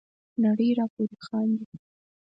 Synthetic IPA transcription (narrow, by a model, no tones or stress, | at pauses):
naɽəjɾɑpoɾixɑnd̪i